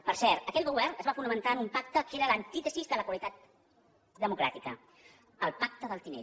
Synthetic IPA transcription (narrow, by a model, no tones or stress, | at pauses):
pəɾsɛɾt̪əkɛt̪ɣuβ̞ɛrnəzβafunəmənt̪aənumpak̚t̪əkeɾələnt̪it̪əzizðələkwəlit̪at̪̚ | d̪əmukɾa̰t̪ikə | əlˠpak̚t̪əðəlˠt̪inḛʎ